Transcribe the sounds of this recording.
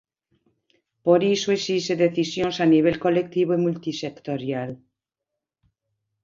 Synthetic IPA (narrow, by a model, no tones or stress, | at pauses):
poɾisoesiseðeθisjonsaniβ̞elko̞lek̚t̪iβoimult̪isekt̪oɾjal